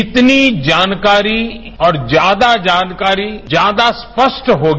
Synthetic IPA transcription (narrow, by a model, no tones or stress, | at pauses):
ɪt̪nid͡ʒaːnkaːɾi | ɔːɾd͡ʒjaːd̪ad͡ʒaːnkaːɾid͡ʒjaːd̪aspəʃʈɦoːɡ